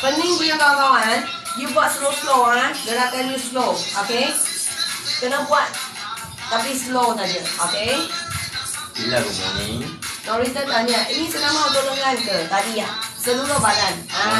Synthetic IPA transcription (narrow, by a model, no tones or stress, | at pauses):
pənɪŋbuɲakamawan | jubuat̪̚səloslowanɡəɾakanjusloʔoke | kənabuat̪̚ | t̪apislowt̪aɲəʔoke | bilaɡəma̰nḭ̃nɔʔɾit̪ənt̪aɲaʔʔinĩsənamaut̪oʔloŋankət̪adiasəlulohbadana